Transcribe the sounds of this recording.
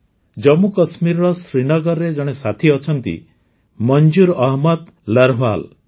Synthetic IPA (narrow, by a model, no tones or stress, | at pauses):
d͡ʒɔmukɔsmiɾɔɾɔsɾinɔɡɔɾɾed͡ʒɔɽ̃esat̪ʰiɔt͡ʃʰɔnt̪ḭ | mɔnd͡ʒuɾɔɦmɔd̪ | laɾɦal